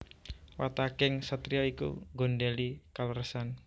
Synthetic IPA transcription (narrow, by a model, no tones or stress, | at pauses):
wat̪akɪŋsət̪ɾiaikṵŋɡo̤nɖɛlikaləɾəsan